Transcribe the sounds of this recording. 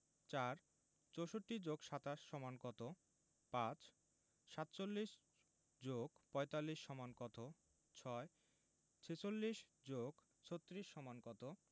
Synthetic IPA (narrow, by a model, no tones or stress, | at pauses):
t͡ɕaɾ | t͡ɕowʃoʈːid͡ʑoɡʃat̪aʃːɔmankɔt̪o | pãt͡ɕ | ʃat̪t͡ɕolːiʃ | d͡ʑoɡpɔet̪alːiʃːɔmankɔt̪o | t͡ɕʰɔe | t͡ɕʰet͡ɕolːiʃd͡ʑoɡ | t͡ɕʰot̪ːɾiʃːɔmankɔt̪o